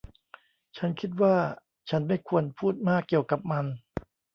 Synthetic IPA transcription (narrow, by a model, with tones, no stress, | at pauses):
t͡ɕʰa˦˥nkʰi˦˥t̪̚waː˥˩ | t͡ɕʰa˦˥nma˥˩jkʰu˧ənpʰuː˥˩t̪̚maː˥˩kːi˨˩əwka˨˩p̚ma˧n